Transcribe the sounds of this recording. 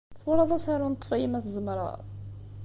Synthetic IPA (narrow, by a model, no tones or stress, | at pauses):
θwɾˤɑðˤɑsaɾunt̪ˤːfæjimæθəzˤmɾˤɑ̰ðˤ